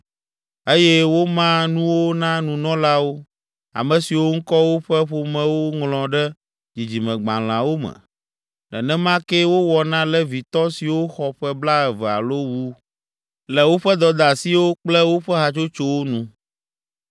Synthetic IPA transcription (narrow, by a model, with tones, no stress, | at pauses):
e˦jɛ˦wo˦mã˦nũ˦wo˦nã˦nũ˨nɔ̃˦la˦wo˦ | a̰˨mɛ̃˨si˨wo˦ŋ̩˦kɔ˦wo˦ɸɛ˦ɸo˨mɛ̃˦wo˦ŋlɔ̃˨ɖɛ˦ | d͡ʑi˨d͡ʑi˨mɛ̃˨ɡ͡bã˨l̃ã˨wo˦mɛ̰̃˨ | ɖɛ̰˨nɛ̃˦mã˦kɛ˦wo˦wɔ˨nã˦lɛ˦vi˨t̪ɔ˦si˨wo˦xɔ˨ɸɛ˦bla˦ɛ˨vɛ˨a̰˨lo˦wu˦ | lɛ˨wo˦ɸɛ˦d̪ɔ˨d̪a˨si˦wo˦k͡plɛ˦wo˦ɸɛ˦ɦa˨t͡ʃo˦t͡ʃo˦wo˦nũ˦